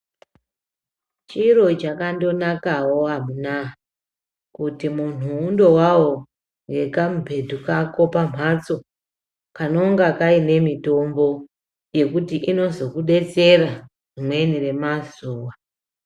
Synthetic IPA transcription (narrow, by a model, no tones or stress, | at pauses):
t͡ʃiro̞t͡ʃakando̞nakawo̞amunaɦa | kutimun̤uːndo̞wawo̞ | ŋɡe̞kamubʱe̞dʱukako̞pam̤ʱat͡so̞ | kano̞ŋɡakaine̞mito̞mbo̞ | je̞kutiʔino̞zo̞kuɗe̞t͡se̞ra | rimwe̞nire̞mazuːwa